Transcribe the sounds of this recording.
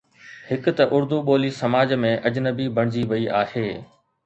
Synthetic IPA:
hɪk̆t̪ɐʔʊɾd̪uɓoːlisɐmaːd͡ʑmẽʔɐd͡ʑnəbibʱɐɽ̃ɪd͡ʑiʋɐiʔaːheː

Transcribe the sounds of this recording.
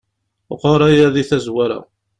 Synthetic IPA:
qɑɾˤæjæðiθæzwaɾa̰

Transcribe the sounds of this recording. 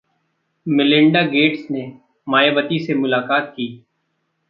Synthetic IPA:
mɪlɪ̃ɳɖaɡeːʈsne | maːjebət̪isemʊlaːkaːt̪̚kiː

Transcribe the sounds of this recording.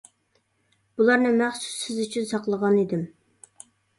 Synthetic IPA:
b̥ulˠɑɾnɨmæχsu̥sːɪzyt͡ʃʰynsɑqlˠəʁɑnid̪ɪm

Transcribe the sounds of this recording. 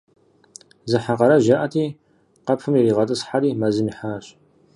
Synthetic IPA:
zɨħaqɐɾɐʒaʔɐtʰiː | qɐpʰfɨmjeɾiːʁɐtʼɨsħaɾiːmɐzɨniħaːɕ

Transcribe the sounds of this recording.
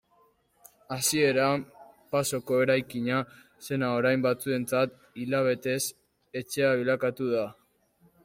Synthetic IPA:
asie̞ɾapaso̞ko̞e̞ɾajkiɲa | se̞nao̞ɾajmbat͡sue̞nt͡sat̪ | ilaβ̞e̞t̪e̞s | e̞t͡ʃe̞aβilakat̪uð̞a

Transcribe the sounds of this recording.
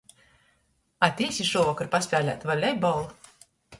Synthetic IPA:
at̪ʲiːsʲiʃuvɔkaɾpaspʲæːlʲæ̰t̪valʲɛjbɔlˠu

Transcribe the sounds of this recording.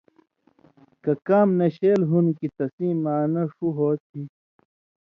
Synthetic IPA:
kɐkaːmnɐɕeːlɦunkit̪ɐsiːmaːnɐʂuɦoːt̪ʰi

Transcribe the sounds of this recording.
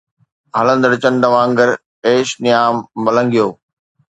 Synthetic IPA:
ɦɐlə̃nd̪əɽɪt͡ɕənd̪ɐʋãːŋɡəɾ | eːʃnɪjaːmbɐlə̃ŋɡijoː

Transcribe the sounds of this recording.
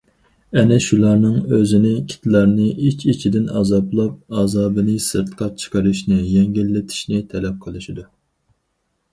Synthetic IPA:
ɛnɛʃulˠɑɾnɨŋøzɪnɪkʲʰi̥t̪ʰlˠɑɾnɨit͡ʃʰʲit͡ʃʰid̪ɪnɑ̰ːzɑplˠɑp̚ɑːzɑːbɨnɨsɨɾt̪ʰqʰɑt͡ʃʰə̥qəɾɨʃnɪjɛŋɡʲilːɪt̪ʰi̥ʃnɪt̪ʰɛlɛp̚qʰəlˠɨʃid̪u

